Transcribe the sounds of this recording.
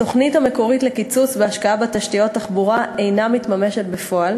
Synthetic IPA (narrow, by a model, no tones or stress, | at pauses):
to̞χnitame̞ko̞ʁitlekit͡sut͡sbeaʃkaabetaʃtijo̞tːaχbuʁae̞jnamitmame̞ʃe̞tbefo̞al